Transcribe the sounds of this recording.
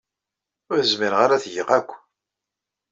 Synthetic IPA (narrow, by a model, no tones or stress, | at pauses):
ʊɾθəzmiɾʁaɾæθʝəʁækʷː